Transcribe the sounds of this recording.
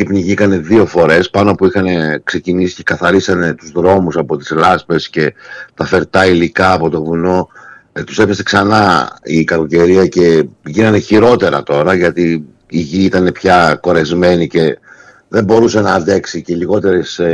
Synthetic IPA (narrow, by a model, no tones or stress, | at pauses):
ipniʝikɐne̞ðio̞fo̞ɾe̞spɐnoɐpuixɐne̞kse̞cinisi̥ce̞̥kɐθɐɾisɐne̞t̪uzðɾo̞musɐpo̞t̪i̥zlɐspe̞sce̞t̪ɐfe̞ɾt̪ɐilikɐːpo̞t̪o̞vuno̞ | t̪u̥se̞fe̞se̞ksɐnɐikɐɾko̞ce̞ɾiɐce̞ʝinɐneçiɾo̞t̪e̞ɾɐ̰t̪o̞ɾɐʝɐt̪i | iʝiit̪ɐne̞pçɐko̞ɾe̞zme̞nice̞ | ðe̞mbo̞ɾuse̞nɐːnd̪e̞ksiceliɣo̞t̪e̞ɾes